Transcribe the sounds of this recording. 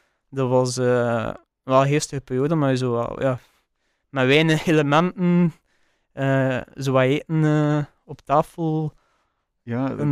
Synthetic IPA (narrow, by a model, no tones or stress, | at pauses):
dɔʋɑsəː | ʋɛlˠɦeːstəɣəperjoːdəmaɹzoːa̰lja̰ː | mɛʋɛːnəxeləmɛntən | əːzoːaeːʔənə | ɔptaːfəlˠ | n